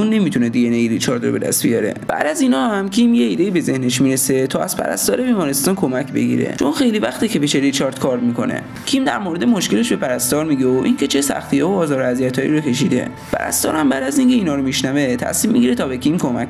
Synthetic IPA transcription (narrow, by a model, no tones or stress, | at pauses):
unːe̞mit̪ʰuned̪iɡenejiɾit͡ʃʰɒɾd̪robe̞d̪æ̰st̪bijɒɾe̞̰b̥æ̰ʔd̪æziːnɒːhæmcʰimjeiːd̪eiːbe̞ze̞hneʃmiːɾese̞t̪ʰɒːæz̥pʰæ̰ɾæ̰st̪ɒːɾe̞biːmɒːɾest̪ɒːnkʰo̞mæcʰbe̞̰ɟḭɾḛt͡ʃʰo̞nxe̞jlivæxt̪icʰepiʃeɾit͡ʃɒɾd̪̥kʰɒːɾd̪miːko̞nḛ | cʰimd̪æɾmoɾe̞d̪e̞mo̞ʃke̞leʃbe̞pʰæɾæst̪ɒːɾmiːɟeoʔincʰe̞t͡ʃʰe̞sæ̰xt̪ʰijeoːzɒːɾoæzijæt̪ʰɒ̰ːjḭɾokʰe̞ʃ̬id̪e̞̰ | pʰæ̰ɾæ̰st̪ɒ̰ːɾhæmbæːd̪æziŋce̞iːnɒːɾomiʃnævet̪ʰæ̰siːmːḭɡiɾet̪ʰɒːbe̞cʰimkʰomæk